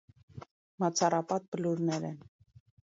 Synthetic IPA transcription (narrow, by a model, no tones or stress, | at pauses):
mɑt͡sʰɑrɑpɑt̪̚bəluɾnɛɾɛn